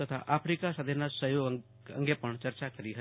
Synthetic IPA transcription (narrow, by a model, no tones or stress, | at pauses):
ət̪ʰa̰ʔapʰɾikasad̪ʱenasəjoɡ | ə̰ŋɡepəɳt͡ʃəɾt͡ʃakəɾiɦə